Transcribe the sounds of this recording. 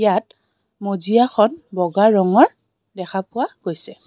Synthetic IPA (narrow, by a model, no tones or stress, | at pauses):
jat̚ | mozijaxɔnbɔɡaɹɔŋɔɹ | dɛxʰapʊwaɡ̥ojsɛ